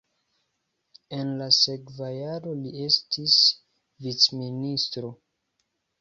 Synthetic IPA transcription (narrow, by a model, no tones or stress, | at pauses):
e̞nlase̞kvajaɾo̞lie̞stis | vit͡sministɾo̞